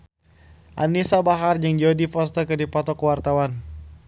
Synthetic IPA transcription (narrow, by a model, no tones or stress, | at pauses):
ʔa̰nisabaɦard͡ʒəŋd͡ʒodifɔst̪əkədipɔt̪ɔkuwart̪awan